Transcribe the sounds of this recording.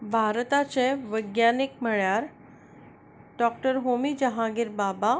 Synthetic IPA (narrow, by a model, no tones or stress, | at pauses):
bʱaɾt̪at͡ɕeʋəɡjanik̚m̤əɭjaɾ | ɖɔkʈəɾɦomid͡ʑəɦãɡiɾbaba